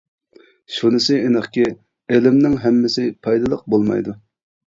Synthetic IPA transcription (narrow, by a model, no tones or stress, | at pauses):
ʃunɨsɪʔenəχkʲɪ | elɪmnɪŋɦɛmːɪsɪpʰɑjd̪ɨlˠəq̚bolˠmɑ̰jd̪u